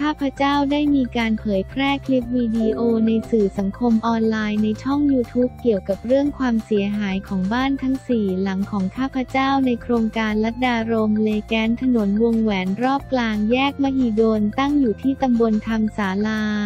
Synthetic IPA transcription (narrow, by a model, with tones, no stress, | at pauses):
kʰaː˥˩pʰɾa˧˥t͡ɕaː˥˩wdaː˥˩jmiː˧kaː˧npʰɤː˩˦jpʰɾɛː˥˩kʰli˦˥p̚wiː˧di˧ʔoː˧na˧jsɯː˨˩sa˩˦ŋkʰo˧mʔɔː˧nlaː˧jna˧jt͡ɕʰɔ˥˩ŋjuː˧t̪ʰuː˦˥p̚ki˨˩əwka˨˩p̚ɾɯ˥˩əŋkʰwaː˧msi˩˦ɐɦaː˩˦jkʰɔː˩˦ŋbaː˥˩nt̪ʰa˦˥ŋsiː˨˩la˩˦ŋkʰɔː˩˦ŋkʰaː˥˩pʰɾa˧˥t͡ɕaː˥˩wna˧jkʰɾoː˧ŋkaː˧nla˦˥t̪̚daː˧ɾo˧mleː˧kɛː˦˥nt̪ʰa˧no˩˦nwu˧ŋwɛː˩˦nɾɔː˥˩p̚klaː˧ŋjɛː˥˩k̚ma˧hi˨˩doː˧nt̪a˥˩ŋjuː˨˩t̪ʰiː˥˩t̪a˧mbo˧nt̪ʰa˧msaː˩˦laː˧